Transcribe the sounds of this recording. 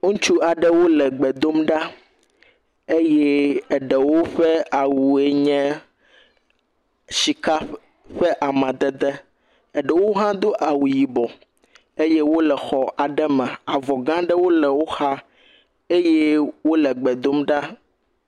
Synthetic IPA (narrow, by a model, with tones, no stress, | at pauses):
õ˦t͡ʃu˦a˨ɖɛ˦wo˦lɛ˨ɡ͡bɛ˨d̪o˦mɖa˦ | e˦jɛ˦ɛ˨ɖɛ˨wo˦ɸɛ˦a˨wu˨e˦ɲɛ̃˦ | si˨ka˦ | ɸɛ˦ʔa˨mã˨d̪ɛ˦d̪ɛ˦ | ɛ˨ɖɛ˨wo˦ɦã˦d̪o˦ʔa˨wu˨ji˨bɔ˨ | e˦je˦wo˦lɛ˨xɔ˨ʔa˨ɖɛ˦mɛ̃˨a˨vɔ˨ɡã˦ɖɛ˦wo˦lɛ˨wo˦xa˦ | e˦jɛ˦wo˦lɛ˨ɡ͡bɛ˨d̪o˦mɖa˦